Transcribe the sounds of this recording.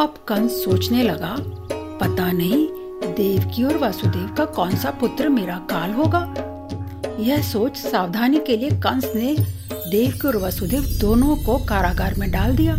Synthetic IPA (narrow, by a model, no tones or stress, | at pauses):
ɐbkɐ̃nsːoːt͡ʃnelɐɡa | pɐt̪anɐɦĩ | d̪eːʋkiɔːɾʋasud̪eːʋkakɔːnsapʊt̪ɾəmeːɾakaːlɦoːɡaː | jɛɦsoːt͡ʃsaːʋd̪ʱaːnikeliekɐ̃nsned̪eːʋkiɔːɾʋasud̪eːʋd̪oːnõkokaːɾaːɡaːɾmẽɖaːld̪ijaː